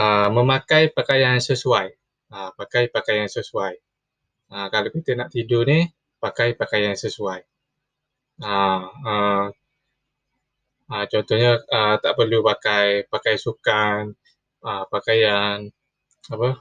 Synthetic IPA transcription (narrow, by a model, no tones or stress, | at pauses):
əməmakajpakajansəsuaj | əpakajpakajansəsuaj | əkalokit̪ənaʔt̪idoni | pakajpakajansəsuaj | əə | ət͡ʃɔnt̪ɔhɲəət̪aʔpərlupakajpakajsukan | əpakajan | apə